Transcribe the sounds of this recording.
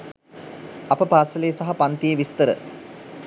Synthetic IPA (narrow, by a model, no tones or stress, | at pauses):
ɐpəpaːsəlejəsɐɦɐpant̪ijeʋist̪əɾə̰